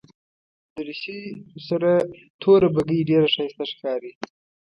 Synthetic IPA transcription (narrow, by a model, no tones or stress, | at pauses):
d̪̥əɾɪsisaɾa | t̪ʰoɾabaɡəjɖeɾaʂɑst̪aʂkɑɾi